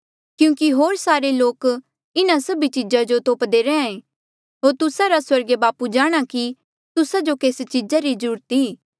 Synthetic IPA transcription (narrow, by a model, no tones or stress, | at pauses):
kjũːkiɦoːɾsaːɾeloːk | ɪnãsɐbit͡ʃɪd͡ʒad͡ʒot̪oːpd̪eɾɛãẽ | ɦoːɾt̪ʊsaɾaswɐɾɡebaːpud͡ʒaːɽ̃aki | t̪ʊsad͡ʒokeːst͡ʃɪd͡ʒaɾizəɾuːɾət̪iː